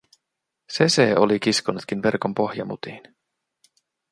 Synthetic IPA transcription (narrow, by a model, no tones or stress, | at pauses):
se̞seːo̞lik̟iskonut̪k̟inʋe̞rko̞mpo̞hjɑmṵt̪iːn